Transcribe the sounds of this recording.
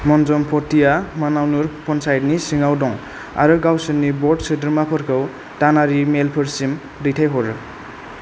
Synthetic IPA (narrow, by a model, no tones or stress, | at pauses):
mɔnzɔmpʰɔtijamanawnuɾpʰɔnsajd̚nisiŋawdɔŋ | a̰ɾɯɡawsɯnnibɔdsɯdɯɾmapʰɯɾkʰɯw | tanaɾimelpʰɯɾsim | dijtʰajɦɔɾɯ